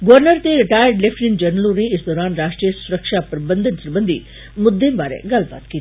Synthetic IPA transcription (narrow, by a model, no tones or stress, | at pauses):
ɡʋəɾnəɾt̪eɾɪʈaːjəɾɖlefʈɾind͡ʒɐɾnəlõneɪsd̪ɔːɾaːnɾaːʃʈɾijəsʊɾəkʃapɾɐbənd̪ʱənt̪ɐɾbə̃nd̪ʱi | mʊd̪ːẽnbaːɾḛ̃ɡalba̰ːt̪ki